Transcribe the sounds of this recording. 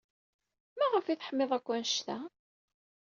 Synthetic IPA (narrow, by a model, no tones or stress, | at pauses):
mæʁəfiθħəmːeðˤækʷːænʃt̪æ